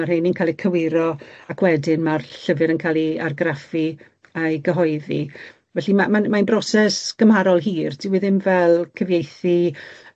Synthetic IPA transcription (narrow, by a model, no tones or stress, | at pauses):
arhejninkʰalˠikʰəwɪɾɔakwɛdɪnmarɬəvɨɾənkʰalˠiarɡrafi | əjɡəɦɔɨðḭ | vɛɬimamanmanbrɔsɛsɡ̥əmhaɾɔlˠɦiːrd̥ɪwɪðɪmvɛlˠkʰəvjejθi